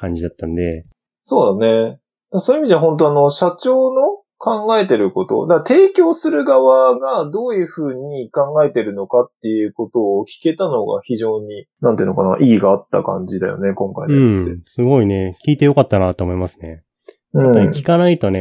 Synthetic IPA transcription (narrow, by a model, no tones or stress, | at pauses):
kãɲ̟d͡ʑid̪at̪ːãnd̪e̞ | so̞ːd̪ane̞ | d̪asoːiɨimid̪eaɦõ̞nt̪̬o̞ano̞ɕat͡ɕo̞ːno̞ | kãŋɡae̞t̪e̞ɾɯ̟ko̞t̪o̰d̪at̪e̞ːkʲo̞ːsɨɾɯ̟ɡaβaɡad̪o̞ːjɯ̟ɸɯ̟ːɲ̟ikãŋɡae̞t̪e̞ɾɯ̟no̞kat̪ːe̞jɯ̟ko̞t̪o̞ːkʲi̥ke̞t̪ano̞ɡa̰çiʑo̞ːɲ̟inãnt̪eɯ̟noka̰na̰ʔiɡʲiɡaːt̪ːa̰kã̰ɲd͡ʑid̪a̰jo̞̰ne̞kõ̞ŋkaidɯ̃ɴɨesɨɡo̞ine̞kʲiːt̪e̞jo̞kat̪ːanat̪ːoːmo̞imasɨ̥ne̞ | ɯ̟̃aɲikʲi̥kanait̪o̞ne